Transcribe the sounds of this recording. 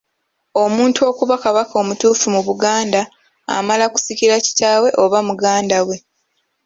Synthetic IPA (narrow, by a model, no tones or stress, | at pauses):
o̞muːntuo̞kuβakaβako̞ːmutuːfumuβuɡaːnda | a̰malaku̥siciɾaci̥taːwe̞ʔo̞βamuɡaːndawe̞